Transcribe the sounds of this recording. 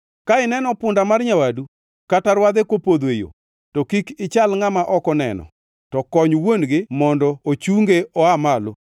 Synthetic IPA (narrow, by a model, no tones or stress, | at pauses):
kaɪnɛnɔpʊndamarɲawadu | kataɾwad̪ekwopod̪wejo̰ | tɔkikɪt͡ʃalŋamaʔɔkɔnɛ̰nɔ̰ | tɔkɔɲwonɡɪmɔndɔot͡ʃuŋɡeɔamalo